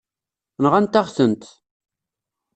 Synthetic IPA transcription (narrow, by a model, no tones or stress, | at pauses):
nʁant̪aʁθənt̪